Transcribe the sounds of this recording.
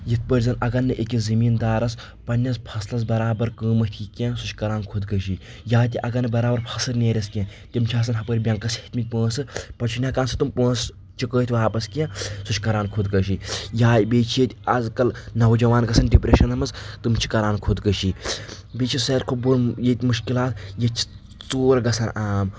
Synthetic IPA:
jit̪̚ʰpəɾʲzɐnɐɡɐnːɨʔekʲizɐmiːnd̪aːɾɐs | pɐnʲːɐspʰɐslɐs̬bɐɾaːbɐɾkəːmɐt̪ʲʰikʲẽsuʃʰkɐɾaːnkʰod̪kɐʃi | jaːt̪̬ʲiʔɐɡɐnːɨbɐɾaːbɐɾpʰɐsɨɾnʲeːɾʲɐskʲẽːt̪ʲimt͡ʃʰaːs̬ɐnɦɐpəɾʲbʲɐŋkɐshi̥t̪ʰmit̪̚ʲpə̃ːsɨpɐt͡ʃʰunʲɐkaːnsɨt̪umpə̃ːs | t͡ʃʰikəːt̪ʰʲʋaːpɐskʲẽːsut͡ʃʰkɐɾaːnkʰod̪kɐʃijaːbeːt͡ʃʰijet̪ʲɐzkɐlnɐwd͡ʒɐʋaːnɡɐsɐnɖipɾeʃɐnɐmɐzt̪ɨmt͡ʃʰi̥kɐɾaːnkʰod̪kɐʃi | beːt͡ʃʰisɐːɾʲkʰobojet̪ʲmuʃkilaːt̪jɐt͡ʃʰi̥ | t͡soːɾɐɡɐsʰɐnaːm

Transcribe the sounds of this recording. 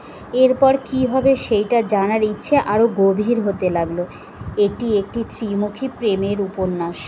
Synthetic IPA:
eɾpɔɾkiɦɔbeʃejʈad͡ʑanaɾitːɕʰeʔaɾoɡobʱiɾɦot̪elaɡlo | eʈiek̚ʈit̪ɾimukʰipɾemeɾuponːaʃ

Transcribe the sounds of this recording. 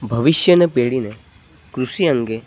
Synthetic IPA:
bʱɐʋɪʃjənepeːɭine | kɾʊsiə̃ŋɡe

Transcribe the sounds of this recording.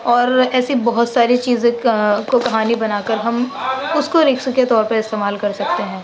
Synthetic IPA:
ɔːɾɛːsibɔɦʊt̪saːɾit͡ʃiːzẽkokɐɦaːnibɐnaːkəɾɦɐmʊskoɾeːkʰsuket̪ɔːɾpɐɾɪst̪eːmaːlkɐɾsɐkt̪eɦɛ̃ː

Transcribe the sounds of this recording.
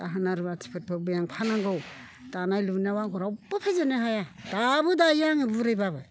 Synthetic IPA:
daɦɯnaɾɯbatʰi̥pʰɯt̚pʰɯbɯjaŋpʰanaŋɡɯw | d̥anajlunawaŋɡɔɾawbapʰezeneɦajadabɯdajaŋibuɾɯjbabɯ

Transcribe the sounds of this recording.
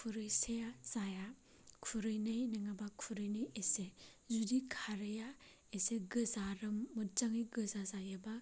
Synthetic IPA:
kʰuɾɯjseazaja | kʰuɾɯjnɯjnɯŋabakʰuɾɯjnɯjesezudikʰaɾɯja | eseɡɯzaɾɯmːɯtzaŋɯjɡɯzazajaba

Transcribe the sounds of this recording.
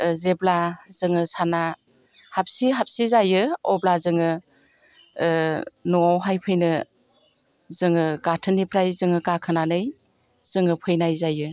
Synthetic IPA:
zeblaz̥ɯŋɯsana | hap̚siɦap̚sizajɯɔblazɯŋɯ | nɔawɦajpʰɯjnɯ | zɯŋɯɡatʰɯnipʰɾajzɯŋɯkakʰɯnanɯj | z̥ɯŋɯpʰɯjnajzajɯ

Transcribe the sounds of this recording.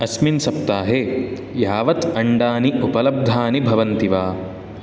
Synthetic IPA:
ɐsminsɐp̚t̪aːɦeː | jaːʋɐt̪ɐɳɖaːniupɐlɐb̚d̪ʱaːnibʱɐʋɐnt̪iʋaː

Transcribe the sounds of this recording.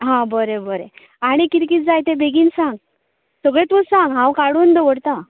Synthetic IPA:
ɦãbəɾebəɾḛ | aɽ̃ikiɾkit̪̚d͡zajt̪ẽbeɡiːnsãŋɡ | səɡɭẽt̪usãŋɡɦãwkaɽund̪əʋəɽt̪ã

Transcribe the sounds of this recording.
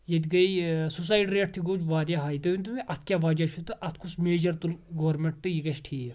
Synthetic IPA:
jɐd̪ʲɡɐjsus̬aːjiʈiɾeːʈ̚t̪ʰiɡod͡ʒʋaːɾʲjaɦaːjt̪ɐint̪umiʔɐt̪̚ʰkʲjaːʋaːd͡ʒɐʃʰut̪ɨʔɐt̪̚ʰkʰusmeːd͡ʒɐɾt̪ulɡɐʋɐɾmeɳʈ̚t̪ɨjiɡɐʃʈʰiː

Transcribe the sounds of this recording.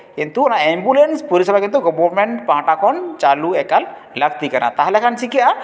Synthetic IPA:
ent̪uɔnaembulenspuɾisɔlakint̪uɡɔbɔɾmɛɳʈpãʈakʰɔnt͡ʃaluɛkal | lak̚ʰt̪ikana̰t̪aɦlɛkʰansikiʔa

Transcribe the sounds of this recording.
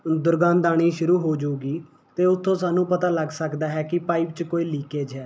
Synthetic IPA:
d̪ʊɾɡãːnd̪aːɽ̃iːʃʊɾuːɦoːd͡ʒoːɡiː | t̪eːʊt̪ʰːõːsaːnũːpət̪aːləɡsəkd̪aːɦɛːkɪpaːɪpt͡ʃkoːiːliːkeːd͡ʒɦɛː

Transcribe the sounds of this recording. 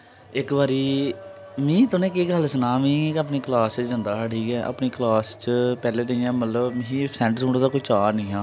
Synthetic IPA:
ɪkbaːɾiː | mĩːt̪ʊnẽːkeːɡəlsənaːmĩːəpɳiːklaːsd͡ʒənd̪aːʈiːkɛːʔə̰pɳiːklaːst͡ʃəpɛːleːt̪ə̃jãːmət̪ləbĩːsɛ̃ːɳʈsuːɳɽd̪aːkʊt͡ʃaːnĩːɦãː

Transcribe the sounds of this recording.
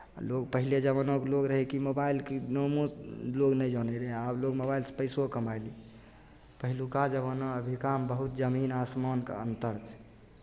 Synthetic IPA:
loɡpəɦiled͡ʒəβənokloɡɾəɦekimobailkinomoloɡnɛjd͡ʒɔneɾeabloɡmobailse̥pəɪsokəmajli | pəɦilukad͡ʒəβənɔəbʱikambəɦut̪d͡ʒəminasmankḛə̰nt̪əɾt͡ʃʰɛ̥

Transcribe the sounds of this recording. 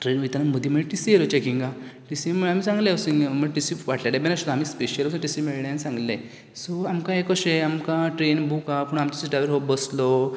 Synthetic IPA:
ʈɾenit̪anaməd̪ʱjiməʈisijelot͡ɕekĩŋɡaʈisimiamiːsãŋɡlẽəsiŋməɡʈisipʋaʈlaʈebɛnaɕot̪amiːspeɕjələsũʈisimiɭɳjansãŋɡlẽ | sɔamkãekɔɕeamkãʈɾenbʱukapuɳamt̪usiɖɾajʋəɾɦobəslɔ

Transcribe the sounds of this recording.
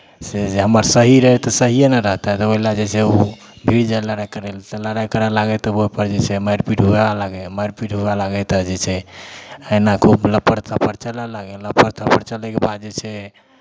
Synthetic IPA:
sed͡ʒeɦəməɾsəɦiɾəɦɛt̪ɔsəɦijenəɾəɦt̪aɛt̪ɔoilad͡ʒet͡ʃʰɛu | bʱiɾd͡ʒaeləɾajkəɾɛlt̪ələɾajkəɾɛlaɡɛt̪ɔopəɾd͡ʒet͡ʃʰɛmajɾpiʈɦoebalaɡɛmajɾpiʈɦubalaɡɛt̪əd͡ʒet͡ʃʰɛ | ənakʰubləpəɾt̪ʰapəɾt͡ʃəlɛlaɡɛlləpəɾt̪ʰapəɾt͡ʃəlɛkebad̪̚d͡ʒet͡ʃʰɛ

